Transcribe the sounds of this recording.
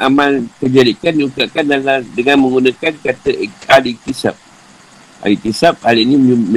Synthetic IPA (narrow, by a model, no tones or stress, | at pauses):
amãnkəd͡ʒadikanːukaʔkandaladəŋãnmə̃ŋɡunãkankat̪aadit̪isa̰p̚ | a̰lit̪isap̚alinim